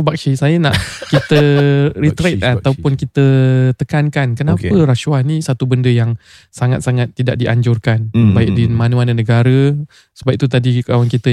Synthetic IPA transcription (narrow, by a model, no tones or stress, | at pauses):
bak̚sisajənaʔkit̪əɾit̪ɾat̪̚at̪awpʊnkit̪ət̪əkankankənãpəɾaʃuwanĩsat̪ubəndəjaŋ | saŋat̪̚saŋat̪ːidaʔ̚diʔaɲd͡ʒʊrkanbaɪdimãnũanənəɡaɾə | səbab̚t̪ut̪adikawankit̪ə